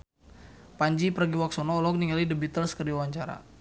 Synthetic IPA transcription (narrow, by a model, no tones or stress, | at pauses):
paɲd͡ʒipəraɡiwak̚sɔnɔːlɔk̚niŋalidəbit̪əlskərdiawaɲt͡ʃaɾa̰